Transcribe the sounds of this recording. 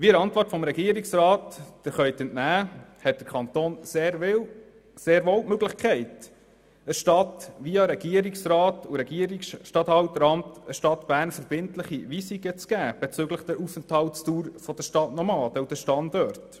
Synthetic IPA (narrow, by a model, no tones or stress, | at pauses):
ʋiəɾɑntʋɔrtfɔmɾɛɡiːəɾiksɾɑːtd̥əɾχœʏt̪ɛntnæːhɛt̚d̥əɾkʰɑnt̪oːnseːɪ | seːɾʋoːwmøɡləχkʰɛɪt | əʃtɑtʋiɑɾɛɡ̥iəɾiksrɑːtuɾɛɡiəɾiksʃtɑthɑwtɾɑmtəʃtɑtb̥æːɾnfəɾb̥ɪntləχiʋisiɡət͡skæːb̥ɛt͡sʏɡləχd̥̪əɾufənthɑlstuːɾfɔd̥̪əʃtɑtnɔmɑːd̥̪əwd̥əʃtɑndøɾt